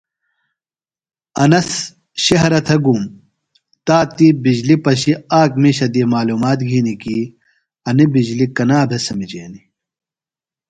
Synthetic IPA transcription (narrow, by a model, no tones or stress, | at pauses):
ɐnɐs | ɕɐɦɾɐt̪ʰɐɡum | t̪aːt̪ːibid͡ʑlipɐɕiaːkmiɕɐd̪iːmaːluːmaːt̪ɡʱiːnikiː | ɐnibid͡ʑlikɐnaːd̪ʱɐsɐmid͡ʑeːni